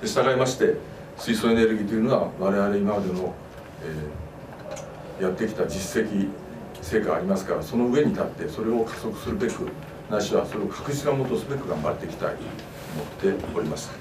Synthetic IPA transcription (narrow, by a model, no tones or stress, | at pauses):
d̪̥e̞ɕi̥t̪aɡaimaɕi̥t̪e̞ | sɨisoe̞ne̞ɾɯ̟ɡʲiːt̪oiɯ̟no̞aβaɾe̞βaɾe̞imamad̪e̞no̞ | eː | jat̪ːe̞kʲi̥t̪ad͡ʑise̞kʲi | se̞ːkaːɾʲimasɨ̥kaɾaso̞no̞ɯ̟e̞ɲ̟it̪at̪ːe̞so̞ɾe̞o̞kʰḁso̞kɯ̟̥sɨɾɯ̟be̞kɯ̟ | naɕiβa̰so̞ɾe̞okʰḁkɯ̟ʑi̥sɨɡamot̪osɨbe̞kɯ̟ɡãmba̰t̪ːe̞kʲi̥t̪a̰i | omo̞t̪ːe̞o̞ɾʲimaɕi̥t̪ḁ